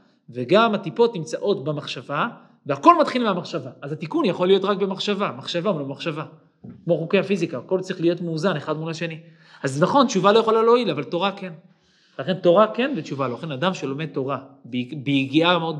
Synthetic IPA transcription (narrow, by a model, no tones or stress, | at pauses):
veɡamatipo̞t̪nimt͡saʔo̞tbemaχʃava | veako̞lmat̪χilmeamaχʃavaazat̪ikunjaχo̞lːijo̞t̪ʁakbe̞maχʃavamaχʃavalomaχʃava | kmo̞χokeafizikaːko̞lt͡sʁiχlijo̞tmuːzaneχad̪mulaʃe̞ni | azenaχo̞nt͡ʃuvalo̞jaχolaloilavalto̞ʁake̞n | velaχe̞nto̞ʁake̞nvet͡ʃuvaloχenadamʃelo̞me̞d̚t̪o̞ʁabbejiɡiameo̞d